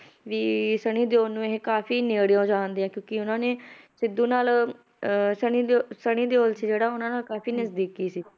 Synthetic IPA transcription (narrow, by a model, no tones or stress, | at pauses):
ʋiːsəɽ̃iːd̪eoːlnũːeɦkaːpʰiːneːɽejãːd͡ʒaːnd̪eːãːkjõːkɪʊnãːneːsɪd̪uːnaːl | səɳ̃iːsəɽ̃ĩːd̪eːoːlsiːd͡ʒeːɽaːʊnãːnaːlkaːpʰiːnəzd̪iːkiːsiː